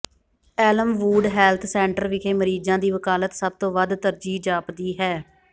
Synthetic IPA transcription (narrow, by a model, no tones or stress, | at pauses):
ɛːləmʋuːɖɦɛːlt̪ʰsɛ̃ːɳʈəɾʋɪkʰeːməɾiːd͡ʒãːd̪iːʋəkaːlət̪səb̚t̪õːʋəd̪t̪əɾd͡ʒiːd͡ʒaːpd̪iːɦɛː